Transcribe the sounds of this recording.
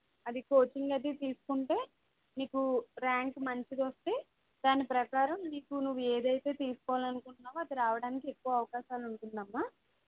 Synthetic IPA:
ɐd̪iko̞ːt͡ʃiŋɡɐd̪it̪iːsu̥kuɳʈe̞ː | niːkuɾaːŋkmɐɲt͡ʃid̪ost̪e̞ː | d̪aːnipɾɐkaːɾɐmniːkunuʋːue̞ːd̪ɐjt̪e̞ːt̪iːsu̥kɔʋaːlɐnukuɳʈunːaːʋuɐd̪iɾaːʋɐɽaːnikiekːuʋɐɐʋɐkaːʃaːluɳʈund̪ɐmːaː

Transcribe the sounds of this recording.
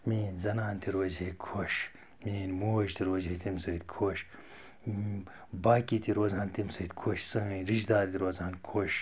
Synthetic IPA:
miːnzɐnaːnt̪iɾoːzɦekʰoʃ | miːnmoːʒt̪iɾoːzɦet̪imsɐit̪kʰoʃ | baːkit̪iɾoːzɦaːnt̪imsɐit̪ʲkʰoːʃsɐmiːɾiʃd̪aːɾt̪iɾoːzaːnkʰoʃ

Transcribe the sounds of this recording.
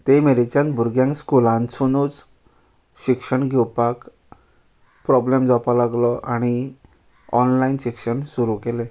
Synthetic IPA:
t̪emeɾit͡ɕãnbʱuɾɡjãŋkskulãnsunut͡s | ɕikʂəɳɡʱɛwpak | pɾɔblemd͡zapalaɡlɔʔaɽ̃i | ɔnlainɕikʂəɳsuɾukele

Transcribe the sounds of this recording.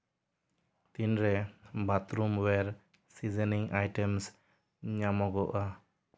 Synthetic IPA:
t̪inɾɛbat̪ɾumwɛɾ | sizɛniŋajʈɛms | ɲamɔɡɔʔa

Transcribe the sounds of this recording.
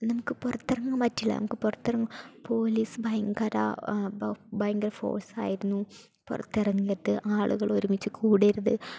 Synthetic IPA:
nɐmukːɨpurɐt̪ːirɐŋːɨmɐtːilːɐ̰nɐ̰mukːɨpurɐt̪ːirɐŋːɐpo̞ːlisɨbɐjŋɡɐɾɐ̰ | bɐjŋɡɐɾɐfo̞̰ːrsa̰ːjiɾunːu | purɐ̰t̪ːirɐŋːijɐt̪ːɨʔaːɭuɣɐɭo̞ɾumit͡ɕːɨkʰuːɽiɾunɨ

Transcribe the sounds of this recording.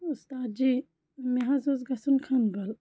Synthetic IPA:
ust̪aːd̪̚d͡ʒiː | meɦazozɡɐsunkʰɐnbɐl

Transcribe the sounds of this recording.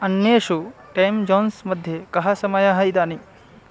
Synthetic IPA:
ɐnjeːʃu | ʈɐjmd͡ʒoːnsmɐd̪ʱjekɐɦɐsɐmɐjaɦɐjd̪aːni

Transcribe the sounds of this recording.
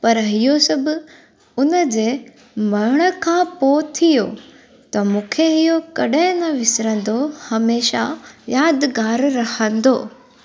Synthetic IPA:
pɐɾɦɪjosɐbʊ | ʊnəd͡ʑeː | mɐɾɽ̃ə̆kʰãpot̪ʰijoː | t̪ɐmũːkʰeɦijokɐɗɦɪ̃nɐʋɪsɾə̃n̆d̪ohɐmeːʃajaːd̪ɡaːɾɾɐhə̃nd̪oː

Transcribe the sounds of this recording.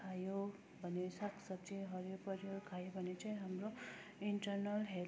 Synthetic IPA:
ajo | bʱʌnesakʰsʌb̚t͡siɦʌɾjopʌɾjʌɾkʰajobʱʌnet͡saj̃ɦamro | iɳʈʌɾnʌlɦe

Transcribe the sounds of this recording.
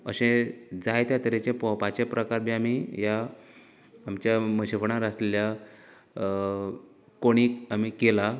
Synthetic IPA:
ə̰ɕẽd͡zajt̪jat̪əɾet͡ɕẽpɔ̃pat͡ɕepɾəkaɾbiamijaː | mt͡ɕjaməɕifɳaɾaslelja | koɽ̃iːkamiːkela

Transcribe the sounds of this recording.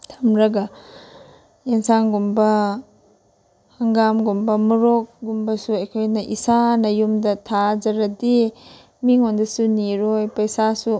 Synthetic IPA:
tʰamɾɐɡa | eŋsaŋɡumbɐ | hɐŋɡamɡumbɐmuɾok̚ɡumbɐsuejkʰojnɐʔisanɐjumdɐtʰad͡ʒɐɾɐdi | miŋondɐsuniɾojpɐjsasu

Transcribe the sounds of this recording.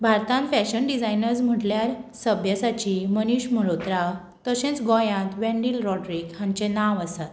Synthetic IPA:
bʱaɾt̪ãnfɛɕənɖid͡zajnəɾsm̤əʈljaɾsəbʱjəsat͡ɕiməniɕməɾot̪ɾa | t̪əsẽt͡sɡɔjãt̪ʋɛ̃ɳɖilɾɔʈɾikhãɲt͡ɕẽnaʋəsat̪

